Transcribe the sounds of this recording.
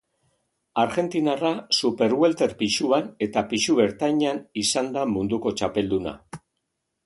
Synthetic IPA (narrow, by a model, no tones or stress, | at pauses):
aɾɣe̞nt̪inarasupe̞ɾɣwe̞lt̪e̞ɾpiʃuane̞t̪apiʃuβe̞ɾt̪ajɲanisand̪amund̪uko̞t͡ʃape̞ld̪una̰